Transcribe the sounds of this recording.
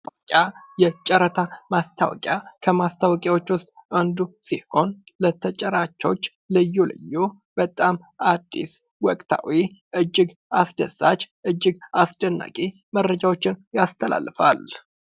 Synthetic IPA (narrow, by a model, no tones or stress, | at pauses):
kʼajɛt͡ʃʼəɾət̪ʰamast̪ʰawɔ̰kʼjakʰəmast̪ʰawkʼawo̞t͡ʃːwʊst̪ʼand̪usiho̞nlət̪ʰət͡ʃʼəɾat͡ʃːo̞t͡ʃː | lɨjːolɨ̰jːo | b̥ət̪ʼam | ʔad̪ːḭs | wɔkʼt̪ʰa̰wiʔɨd͡ʒːɪɡasd̪əsːat͡ʃːʔɨd͡ʒːɪɡasd̪ənːa̰kʼi | mərːəd͡ʒawo̞t͡ʃːɪnjast̪ʰəla̰lːfa̰l